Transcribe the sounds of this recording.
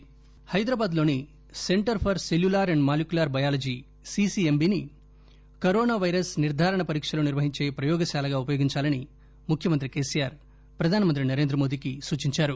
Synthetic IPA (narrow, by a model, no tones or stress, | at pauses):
hɐjd̪ɾaːbaːd̪lo̞ːni | se̞ɳʈɐɾpʰɐɾseljulaːɾɐɳɖmaːlikulaːɾbɐjaːlɐd͡ʒiː | sisiembiːni | kɐɾoːnaːʋɐjɾɐsniɾd̪ʱaːɾɐɳɐpɐɾiːkʂɐloːniɾʋɐɦiɲt͡ʃe̞ːpɾɐjɔːɡɐʃaːlɐɡaːupɐjoːɡiɲt͡ʃaːlɐni | mukʰjɐmɐnt̪̬ɾike̞ːsijaːɾ | pɾɐd̪ʱaːnimɐnt̪ɾinɐɾe̞ːnd̪ɾɐmo̞ːd̪iːkisuːt͡ʃiɲt͡ʃaːɾu